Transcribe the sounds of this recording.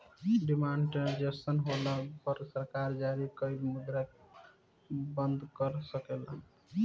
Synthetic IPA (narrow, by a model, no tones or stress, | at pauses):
ɖimaɳɖʈɾed͡ʒeənɦolapəɾsəɾkaɾd͡ʒaɾikəɪlmud̪ɾak | bənd̪kəɾsəkela